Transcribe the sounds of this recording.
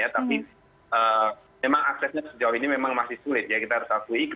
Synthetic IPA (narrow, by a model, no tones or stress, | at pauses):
jat̪api | əː | memaŋaksɛsarsəd͡ʒawainimemaŋmasɪhsulɪt̪̚jakit̪aaɾut̪akuik